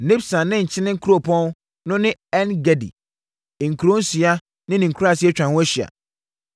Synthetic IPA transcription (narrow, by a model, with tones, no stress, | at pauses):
n̩˨nɪ̃˦bsã˨nnɪ̃˦ɲ̩˨t͡ɕʰɪ˦nɪ̃˦kʰu˦ɾo˨pʰɔ̃˦n | nʊ̃˦nɪ̃˦ɛ˦nɡɛ˨dḭ˨ | ŋ̩˨kʰu˨ɾõ˦n̩˦si˨a˦ | nɪ̃˦nɪ̃˨ŋ̩˨kʰu˦a˦˨si˦ɛ˦t͡ɕᶣã˨hʊ̃˦æ˦ɕi˨a̰˨